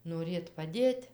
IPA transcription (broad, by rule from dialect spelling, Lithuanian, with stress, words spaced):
noːˈrʲeːt pɐˈdʲeːtʲ